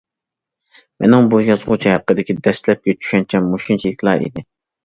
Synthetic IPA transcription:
mʔɛ̰nɪŋbujɑzʁʊt͡ʃʰihæqːəd̪ɪkʲid̪ɛslɛp̚kʲɛt͡ʃʰy̥ʃɛnt͡ʃʰɛmoʃint͡ʃʰilɪkʲlˠɑ̰ʔḭd̪ɪ

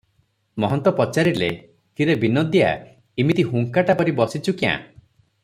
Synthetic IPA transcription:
mɔɦɔnt̪ɔpɔt͡ʃaɾilḛ | k̪iɾebinɔd̪ja̰ | imit̪iɦuŋkaʈapɔɾibɔsit͡ʃʰukiã̰

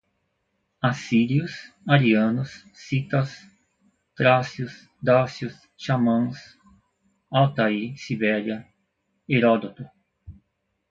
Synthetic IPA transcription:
asiɾiʊs | aɾiɐ̃nʊsː | it̪ɐs | t̪ɾasjʊs | d̪asjus | ʃamɐ̃s | awt̪aisibɛɾjɐ | eɾod̪ot̪ʊ

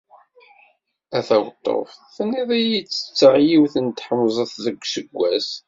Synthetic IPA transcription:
æθæwət̪ˤːo̰fθnːiðˤijit͡sːə̥t͡sːəʕjiwθənt̪ħəmzˤəθðəɡʷsəɡʷːæs

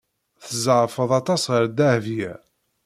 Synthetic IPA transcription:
θəzəʁfəðˤɑt̪ˤɑsʁəɾd̪æhvjæ

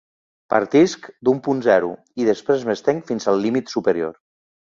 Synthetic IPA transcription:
pa̰ɾt̪iskd̪umpunzɛɾṵ | iðəspɾezməst̪eŋfinzəlˠːimit̪supəɾio̰ɾ

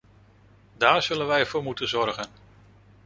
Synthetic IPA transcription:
daːɹz̥ɵlənʋɛjɛɹv̥ʊːɹmutənzɔɹχən

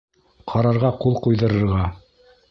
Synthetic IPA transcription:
qʰɑɾɑɾʁɑqulˠqujðɤ̆ɾɤ̆ɾʁɑ

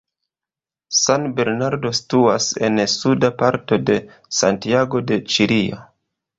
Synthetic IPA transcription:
sanbe̞ɾnaɾdo̞stuase̞nsudapaɾto̞de̞ | sa̰ntiaɡo̞de̞t͡ʃiɾio̰

